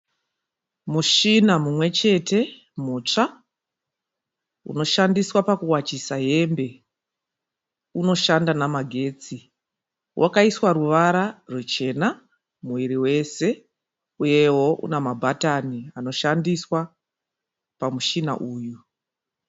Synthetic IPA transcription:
muʃinamumwe̞t͡ʃe̞tʰe̞ | mut͡ʂa | ṵno̞ʃandiswapakuwat͡ʃisaɦe̞mbe̞ | uno̞ʃandanamaɡʱe̞ːt͡si | wʔa̰kaiswaɾuʋaɾarwet͡ʃe̞na | muʋiɾiwe̞se̞ | uje̞wo̞ʔṵnamabʱataniano̞ʃandiswa | pamuʃina̰ʔuːju

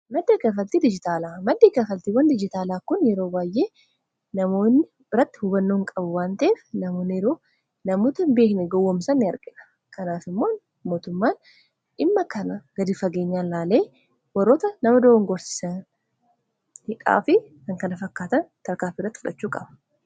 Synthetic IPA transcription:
mɐd̪ːekɐfɐlt̪iːd̪ɪd͡ʒɪt̪aːlaːmɐd̪ːeːkɐfɐlt̪iːwɐnd̪ɪd͡ʒɪt̪aːlaːkʊnjɛɾoːbaːjʔe̞ː | nɐmo̞ːnːɪ | ɪrɐt̪ːɪ̥hʊbɐnːoːŋkʼɐbʊwaːnt̪ɐeːfnɐmo̞ːnːɪjɛɾo̞ː | nɐmoːt̪ɐnbe̞ːknɛɡɔwːɐmsɐnːɪɐɾɡʼɪᶑɐ̥ | kɐnaːfɪmːoːn | mo̞ːt̪ʊmːaːn | ʔɪmːɐkɐnɐɡ̥ɐd̪ɪfɐɡe̞ːɲːaːnlaːle̞ː | wɐɾoːt̪ɐnɐmɐd̪ɐoŋɡɔɾsɪ̥sɐn | hɪkʼa̰ːfɪkɐŋkɐnɐfɐkːaːt̪ɐnt̪ɐɾkaːfiːrːɐt̪ːɪfʊᶑɐt͡ʃːuːkʼɐbɐ̥

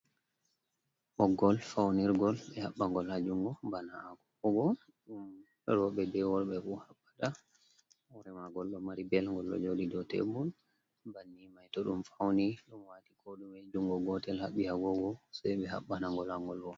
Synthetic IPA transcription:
ʔɔɡɔlfawniɾɡɔlɓɛhaɓːaŋɡɔlhad͡ʒuŋɡɔbanaːɡɔkɔɡɔ | ɗum | ɗɔɾɔɓɛdɛwɔɾɓɛfuhabːḁta | wɔɾɛmaɡɔlɗɔmaɾibɛlŋɡɔlɗɔ̰d͡ʒodidɔtɛ̰bun | banːimajtɔɗumfawniɗumwatikʰɔɗumɛd͡ʒuŋɡɔɡɔtɛlhaɓːihaɡɔɡɔsajɓɛha̰ɓːanaŋɡɔlhaŋɡɔlwɔ

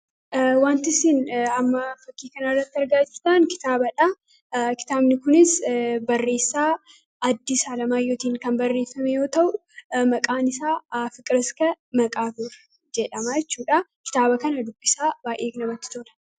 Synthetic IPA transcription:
ʔwaːnt̪ɪsɪnɐmːɐfɐkːiːkɐnɐrːɐt̪ːɪɐɾɡaːd͡ʒɪɾt̪ankɪ̥t̪aːbɐᶑɐ | kɪ̥t̪aːbnɪkʊnɪsbɐrːe̞ːsːaː | ʔɐd̪ːɪsaːlɐmaːjo̞ːt̪iːŋkɐnbɐrːe̞ːfːɐmɛjo̞ːt̪ɐʔʊ | mɐkʼaːnɪsaːfɪkʼɾɪskɐmɐkʼaːt̪uɾ | d͡ʒɛᶑɐmaːjɛt͡ʃːuːᶑɐkɪ̥t̪aːbɐkɐnɐd̪ʊkʼːɪsaːbaːʔeːknɐbɐt̪ːɪ̥t̪oːlɐ̥

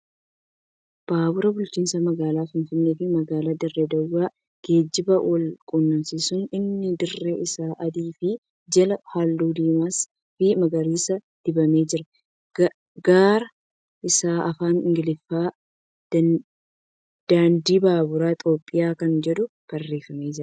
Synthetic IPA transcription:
b̥aːbʊɾɐbʊlt͡ʃiːnsɐmɐɡaːlaːfɪnfɪnːe̞ːfɪmɐɡaːlaːd̪ɪrːɛd̪ɐwːaː | ɡ̥e̞ːd͡ʒːɪbɐwʔɔlkʼʊnːɐnsisʊnɪnːɪd̪ɪrːeːʔɪsaːʔɐd̪iːfɪ | d͡ʒɐlɐhalːuːd̪iːmaːs | fɪmɐɡɐɾiːsɐ | d̪̥ɪbɐme̞ːd͡ʒɪɾɐ | ɡaːɾɐ | ʔɪsaːʔɐfaːnɪ̰ŋɡɪlɪfːḁː | d̪̥aːnd̪iːbaːbʊɾaːt̪ʼo̞ːpʼːɪjaːkɐnd͡ʒɛd̪ʊ | kɐrːe̞ːfɐme̞ːd͡ʒɪɾɐ

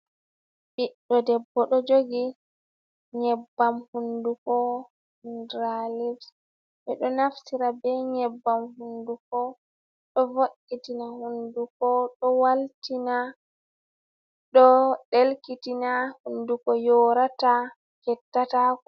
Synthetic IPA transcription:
ɓiɗɗɔdɛbːɔɗɔd͡ʒoɡi | ɲɛbːamhundukɔ | ndɾalifs | ɓɛɗɔnafsiɾabɛɲɛbːamhundukɔ | ɗɔvoɗitinahundukɔɗɔwaltina | ɗɔɗelkitinahundukɔjɔɾata | kɛtːata

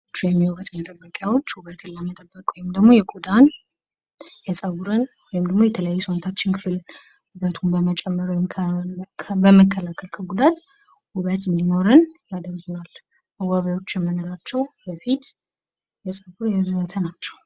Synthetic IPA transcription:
t͡ʃːjɛmːiwoɾət̪mət̪ʼəbːəkʼjawo̞t͡ʃːhuβət̪ʰɨlːəmət̪ʼəbːəkʼwɔjɪmd̪əɡmo̞jɛkʼud̪an | jɛsʼəβuɾɨnwɔjɪmd̪əɡmo̞jɛt̪ʰələjajːusont̪ʰat͡ʃːɪnkʰɨfɨl | huβət̪ʰunbəmət͡ʃʼɛmːəɾwjmkʰ | bəməkːəlakʰəlkʰəɡud̪at̪ | huβət̪ɨnd̪ino̞ɾɨnjad̪əɾɡɨnal | ʔəwːaβawo̞t͡ʃːjɛmːənolat͡ʃːɛwbəfit̪ | jɛsʼəβuɾjɛzɨβət̪ʰənat͡ʃːɛw

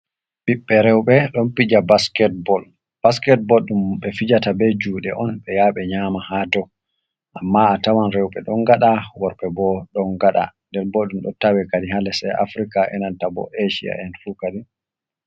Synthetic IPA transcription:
ɓiɓːɛɾɛwɓɛɗɔnpid͡ʒabaskɛt̚bɔl | b̥askɛt̚bɔlɗumɓɛfid͡ʒatabɛd͡ʒuːɗɛʔɔnɓɛjaɓɛɲamahatɔ | ʔamːaatawanɾɛwɓɛɗɔnɡaɗawɔɾɓɛbɔɗɔnɡaɗa̰ndɛɾboɗumɗɔtawɛkadiɦalɛsɛa̰fɾikaʔɛ̰nantabɔ̰ʔeʃḭa̰ɛnfukaɗi

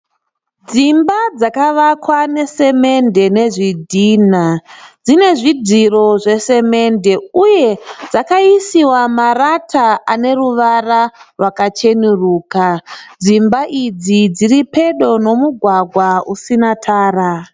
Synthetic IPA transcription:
d͡zimbad͡zakaʋakwane̞se̞me̞nde̞ne̞ʐidʱiːnad͡zine̞ʐidʱiro̞ʐe̞se̞me̞nde̞uje̞d͡zakaisiwamaratʰaane̞ruʋararwakat͡ʃe̞nuruːkad͡zimbaʔid͡zid͡ziripe̞ɗo̞no̞muɡʱwaɡʱwausinatʰaːra

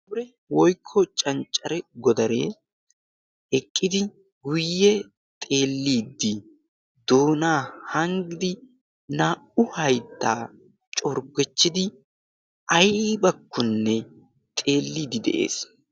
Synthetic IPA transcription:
bʊɾɛ | wɔjkʰːɔt͡ʃʼɐnt͡ʃʼːɐɾɛɡɔd̪ɐɾe̞ː | ɛkʼːɪd̪ɪ | ɡʊjːɛ | t̪ʼe̞ːlːiːd̪ːɪ | d̪oːnaːhɐŋɡɪd̪ɪ | naːʔʊhɐjt̪ːa̰ː | t͡ʃʼɔɾɡɛt͡ʃːɪd̪ɪ | ɐjbɐkːʊnːɛ | t̪ʼe̞ːlːiːd̪ɪd̪ɛ̰ʔḛːs

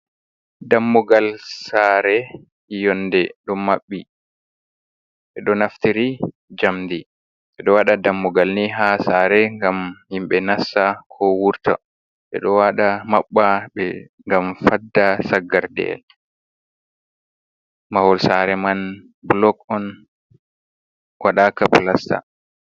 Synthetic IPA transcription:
damːɔɡalsaɾɛ | jɔndɛɗɔmaɓːi | ɓɛɗɔnaftiɾi | d͡ʒamdi | ɓɛɗɔwaɗadamːɔɡalniɦasaɾɛŋɡamhimɓɛnasːakʰɔwuɾta̰ | ɓɛ̰ɗɔwaɗamaɓːaɓɛ | ŋɡamfadːasaɡːaɾdɛ̰l | mawɔlsaɾɛman | bulɔkɔn | wʔaɗaːkaplasta̰

